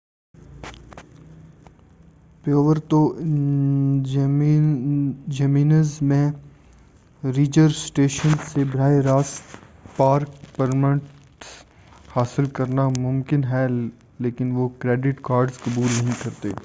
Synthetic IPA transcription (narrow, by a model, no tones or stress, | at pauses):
pjoːʋəɾt̪o | d͡ʒɐmiːnəzmẽ | ɾiːd͡ʒəɾsʈeːʃənsebɐɾaːeɾaːspaːɾk̚pəɾmə̃ʈ | haːsɪlkɐɾnamʊ̃mkɪnɦɛ | leːkɪnʋokɾeːɖɪʈkaːɾɖzkɐbuːlnɐɦĩkɐɾt̪ḛː